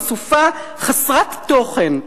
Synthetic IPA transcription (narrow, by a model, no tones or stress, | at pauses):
sufa | χasʁat̪ːo̞χen